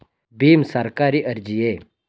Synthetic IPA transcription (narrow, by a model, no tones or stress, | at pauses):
biːmsəɾkaɾiːʔəɾd͡ʑije